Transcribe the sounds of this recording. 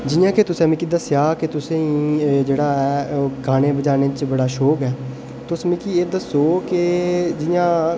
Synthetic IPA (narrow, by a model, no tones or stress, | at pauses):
d͡ʒɪjãːket̪ʊsẽːmĩːkiːd̪əsjaːket̪ʊsẽːĩːd͡ʒeːɽaːɛːɡaːnẽːbəd͡ʒaːneːt͡ʃbəɽaːʃoːkɛː | t̪ʊsmikieːd̪əsoːked͡ʒɪjãː